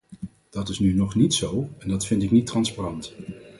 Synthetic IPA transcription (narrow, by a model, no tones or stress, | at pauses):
d̥ɑtɪsnynɔχnitsowɛndɑtfɪntɪknitrɑnsparɑnt